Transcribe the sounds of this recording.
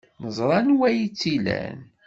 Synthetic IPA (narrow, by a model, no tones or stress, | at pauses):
nəzˤɾˤɑnwæjit͡sːilæ̰n